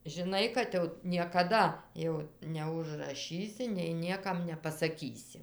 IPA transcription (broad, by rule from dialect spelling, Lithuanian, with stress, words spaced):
ʒʲɪˈnɐɪ kɐt jɛʊ nʲiɛkɐˈdɐ jɛʊ nʲɛʊʒrɐˈʃʲiːsʲɪ nʲɛɪ nʲiɛˈkɐm nʲɛpɐsɐˈkʲiːsʲɪ